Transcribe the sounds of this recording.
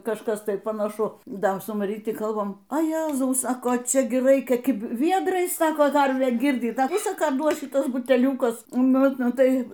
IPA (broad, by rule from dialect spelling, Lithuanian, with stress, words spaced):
kɐʃˈkɐs ˈtɐɪ pɐnɐˈʃʊ ˈdɐ sʊ mɐˈrʲiːtʲɪ ˈkɐlˠbɐm ɐ ˈjæːzɐʊ ˈsɑːkoː ˈt͡ʃʲɛ ˈɡʲɪ ˈrɐɪkʲɛ kʲɪˈbʲɪ ˈʋʲiɛdrɐɪs ˈsɑːkoː ˈkɐrʲʋʲæː ˈɡʲɪrʲdʲiːt ˈdɐ ˈʋʲɪsɐ ˈkɑː ˈduɔs ʃʲɪˈtuɔs bʊtʲɛˈlʲuːkʊs ˈnʊ ˈnʊ ˈtɐɪ